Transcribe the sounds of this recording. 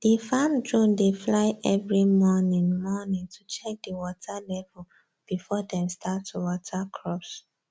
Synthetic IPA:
d̥ifamdɹõndeflaɪʔɛvɹimɔnĩŋmɔnĩŋtʰut͡ʃɛk̚diwɔtʰalɛvul | b̥ifɔdɛ̃mstʰatʰuwɔtʰakʰɹɔps

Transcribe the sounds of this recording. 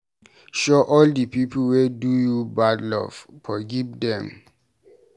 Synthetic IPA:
ʃoʔɔldipip̩wedujubadlɔ̰v̥fɔɡivdɛ̃m

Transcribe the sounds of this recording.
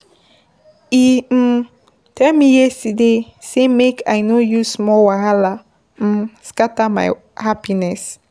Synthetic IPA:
i | tʰɛmijɛsidesemekʰajnojusmɔwaɾala | m̩skatama̰j | hapinɛs

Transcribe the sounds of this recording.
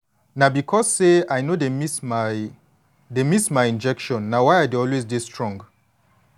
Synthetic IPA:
nabikʰɔzseajnodemi | demismajĩnd͡ʒɛkʃɔ̃nːawajadeɔlwezdestʰɹɔ̃ŋɡ

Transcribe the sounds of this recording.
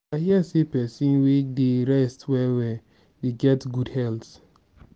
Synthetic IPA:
ahiasepɛsĩnwedeɾɛstwɛwɛ | deɡɛtɡudhɛlt

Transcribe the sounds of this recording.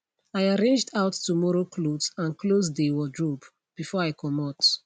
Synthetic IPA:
aɪaɹẽnd͡ʒdaʊtːumɔɹoklodsãnkʰlozdewɔdɹɔp | b̥ifɔɹaɪkɔmɔt

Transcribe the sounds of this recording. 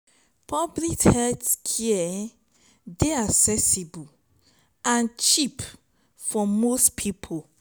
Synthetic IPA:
pʰɔblithɛtskʰiɛ | deaksɛsibu | ãnt͡ʃip | fɔmostpʰipʰo

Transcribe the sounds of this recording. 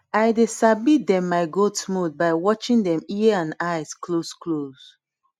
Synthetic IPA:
aɪdesabit̚dɛ̃mːaɪɡotsmudbaɪwɔt͡ʃĩŋdɛ̃miəãnaɪskloskʰloz

